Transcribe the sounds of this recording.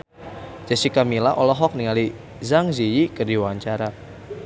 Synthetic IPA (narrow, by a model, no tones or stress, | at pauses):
d͡ʒ̥asikamilaʔɔlɔɦɔk̚niŋali | zaŋzijikərdiwaɲt͡ʃaɾa